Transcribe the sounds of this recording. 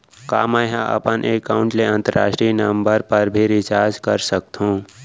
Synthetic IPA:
ka̰ːmɛ̃ɦãʔɐ̰pənʔeːkaːʊ̃ɳʈleə̃nt̪əɾa̰ːʃʈɾiiːnəmbəɾpəɾbʱiɾɪt͡ʃaːd͡ʒkəɾsək̚t̪ɦũː

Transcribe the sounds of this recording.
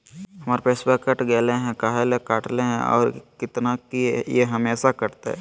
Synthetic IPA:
ɦɐmaːɾpeːsbɛkːɐʈɡeːleɦɛ̃kaɦelekaːʈleɦɛ̃ɔ̰ːɾkɪt̪nakijeɦɐmeːsakɐɾt̪eɦɛ̰̃ː

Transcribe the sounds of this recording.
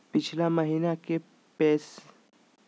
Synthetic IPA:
pit͡ɕʰlaməɦinake | pɛs

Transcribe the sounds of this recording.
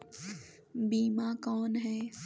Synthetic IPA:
biːmakɔːnɦɛː

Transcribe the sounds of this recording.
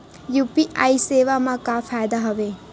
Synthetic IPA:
jupiʔajseʋamakafʰajd̪aɦɐʋe

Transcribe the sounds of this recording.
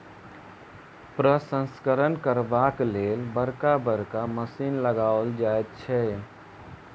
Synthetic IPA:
pɾəsə̃nskəɾənkəɾbaklelbəɾkabəɾkaməsiːnləɡaold͡ʒaet̪̚t͡ʃʰɛ

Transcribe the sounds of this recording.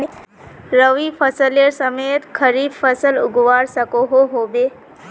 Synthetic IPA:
ɾəʋipʰəsəleɾsəmet̪kʰəɾiːbfəsəlʊɡʋaɾsəkoɦoɦobe

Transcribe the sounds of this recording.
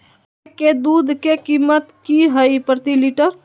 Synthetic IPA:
ked̪ud̪ʱkekimət̪kiɦəjpɾət̪iliʈəɾ

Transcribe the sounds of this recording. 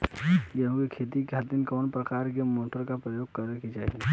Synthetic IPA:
jeɦoɡekʰeːt̪ikeɦət̪ːɪnkɔːnpɾəkaːɾkemoːʈəɾkapɾəjoːɡkəɾekit͡ʃaːɦie

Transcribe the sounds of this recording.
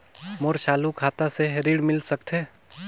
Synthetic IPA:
moɾʃaːlukʰaːt̪aseɦɾiɽmɪlsəkt̪ʰɦeː

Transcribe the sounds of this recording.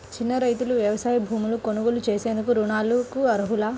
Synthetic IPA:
t͡ʃinːɐɾɐjt̪uluʋjɐʋɐsaːjɐbʱuːmuluko̞nuɡulut͡ʃeːse̞ːnd̪ukuɾuɳaːlukuɐɾuɦulaː

